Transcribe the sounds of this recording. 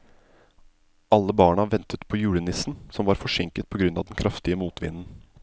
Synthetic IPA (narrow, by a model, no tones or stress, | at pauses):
ʔɑlːəbɑːɳɑʋɛnt̪ət̪pʰojʉːɽənɪsn̩sɔmʋɑːɾfɔʂɛŋkət̪̚pʰɔɡɾʉnɑ̰ːʋd̪ɛnkʰɾʔɑft̪ɪəmuːt̪ʋɪ̰nn̩